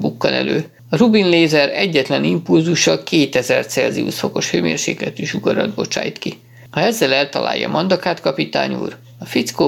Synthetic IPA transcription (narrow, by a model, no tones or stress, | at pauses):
bukːɒnɛ̰løː | ɒrubinleːzɛɾɛɟːɛt̪lɛnimpulzuʃːɒkeːt̪ɛzɛrt̪sɛlziṵsfo̞ko̞ʃhøːmḛːrʃeːkɛt̪yʃuɡɒɾɒd̪bo̞t͡ʃa̰ːjt̪ki | hɒɛzːɛlɛlt̪ɒlʔa̰ːjːɒ̰mʔɒnd̪ɒkaːt̪kɒpit̪a̰ːɲṵːr | ɒfit̪sko